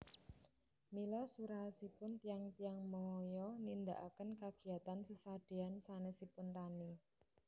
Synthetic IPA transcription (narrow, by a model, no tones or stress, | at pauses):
milɔsuɾasipʊnt̪ijaŋt̪iaŋmɔjɔnind̪a̰ʔakənkaɡ̥i̤at̪ansəsaɖ̥e̤ansanesipʊnt̪ani